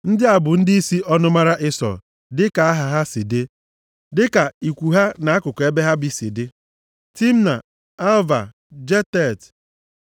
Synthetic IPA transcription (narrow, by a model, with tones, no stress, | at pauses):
n̩˦dɪ˦a˨bʊ˨n̩˦di˦i˦si˦ʔɔ˦nʊ˦ma˦ɾa˦ʔɪ˦sɔ̰˨ | dɪ˦ka˨a˦ɦa˨ɦa˦si˨de˦ | dɪ˦ka˨i˨kʷu˨ɦa˦na˨˦kʊ˨kɔ˨e˦be˦ɦa˦bi˨sḭ˨de˦ | ti˦m̩˦na˨ | a˦lva˨ | d͡ʒe˦tɛ˦˨t